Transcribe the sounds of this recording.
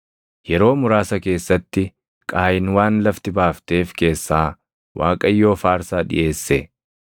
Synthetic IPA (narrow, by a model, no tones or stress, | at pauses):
jɛɾo̞ːmʊɾaːsɐke̞ːsːɐt̪ːɪ | kʼaːjɪnwaːnlɐft̪ɪbaːft̪e̞ːfke̞ːsːaː | wʔaːkʼɐjːo̞ːfaːɾsaːᶑɪ̰jʔe̞ːsːɛ